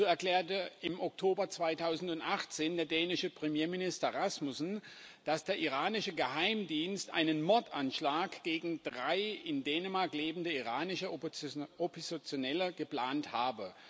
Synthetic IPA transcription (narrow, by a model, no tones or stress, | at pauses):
zoːɛɐkl̥ɛːɐtəʔɪmʔɔk̚tʰoːbɐt͡sv̥aɪtʰaʊzn̩tʊntʔaχt͡seːndeːɐdɛːnɪʃəpʁ̥əmjeːɐminɪstɐʁasmʊsn̩d̥asd̥eːɐʔiʁaːnɪʃəɡəhaɪmdiːnstʔa̰ɪnənmɔɐtanʃlaːkɡ̥eːɡŋ̩d̥ʁaɪɪndɛːnəmaɐkleːbn̩dəiʁaːnɪʃɐ | opʰozt͡sjonɛləɡəpl̥aːnthaːbə